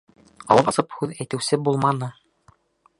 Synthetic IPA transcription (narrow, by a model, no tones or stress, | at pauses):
ɒ̰lˠɤpɒsɤphʉðæjt̪ɘ̆wsɘbulˠmɑnɤ